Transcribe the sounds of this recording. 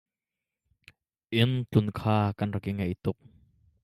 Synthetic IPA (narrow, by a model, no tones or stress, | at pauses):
ʔɪnt͡ɬunkʰaːkanrakiŋaʔit̪ʊk̚